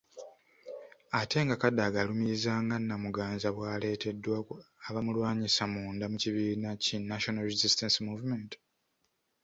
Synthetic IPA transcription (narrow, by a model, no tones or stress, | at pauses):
ate̞ŋɡakadaɡalumizaːŋɡanːamuɡaːnzaβwaːle̞ːtʰe̞dːwaaβamulwaːɲisamuːndamuciβiːnacinaʃo̞nalɾezistensmuːvument